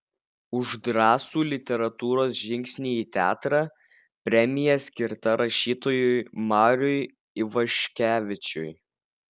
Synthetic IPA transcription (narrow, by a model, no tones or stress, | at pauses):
ʊʒd̪ɾɑːsuːlʲɪt̪ʲɛɾɐt̪uːɾoːsʒʲɪŋʲksʲnʲiːiːt̪ʲæ̰ːt̪ɾɑː | pʲɾʲɛmʲɪjɛsʲkʲɪɾt̪ɐɾɐʃʲiːt̪oːjʊjmɑːɾʲʊj | ɪʋɐʃʲkʲæːʋʲɪt͡ʃʲʊj